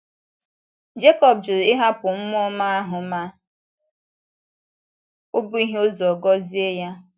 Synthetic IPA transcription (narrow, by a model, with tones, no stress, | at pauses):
d͡ʒe˦kɔ˨b̚d͡ʒʊ˨ɪ˦ɦa˦pʊ˨m̩˦mʊ˦ɔ˦ma˦a˦ɦʊ˨ma˦ | o˦bʊ˦i˦ɦe˦o˦zɔ˨ɡɔ˦zi˦e˦ja˦